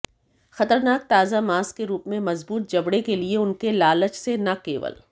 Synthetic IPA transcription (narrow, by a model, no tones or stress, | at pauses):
xɐt̪əɾnaːk̚t̪aːzamaːskeɾuːpmẽmɐzbuːt̪̚d͡ʒɐbɽekelieʊnkelaːlət͡ʃsenakḛːʋə̰l